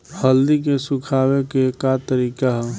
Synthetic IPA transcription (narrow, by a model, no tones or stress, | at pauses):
həld̪ik̬esʊkʰaːwekekat̪əɾiːkaɦɛ